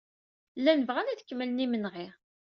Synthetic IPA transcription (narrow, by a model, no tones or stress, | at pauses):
lːænəvʁænæðə̥kːəmːələnimənʁɪʁ